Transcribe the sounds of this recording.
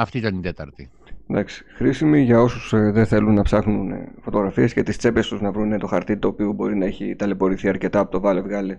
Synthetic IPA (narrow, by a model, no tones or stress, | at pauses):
ɐft̪iit̪ɐnit̪et̪ɐɾt̪i | d̪ɐksi̥xɾisimiʝɐo̞susðeθe̞lunːɐpsɐxnunfo̞t̪o̞ɣɾɐfie̞sce̞t̪ist͡se̞pe̞st̪uznɐvɾunet̪o̞xɐɾt̪it̪o̞ːpiobo̞ɾinɐe̞çit̪ɐle̞po̞ɾiθiɐɾce̞t̪ɐːpo̞t̪ovɐle̞vɣɐle